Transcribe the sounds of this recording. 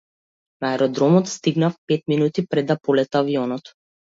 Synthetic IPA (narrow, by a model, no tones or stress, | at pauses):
naaɛɾɔd̪ɾɔmɔt̪st̪iɡnafpɛt̪minut̪ipɾɛd̪ːapɔlɛt̪aːviɔnɔt̪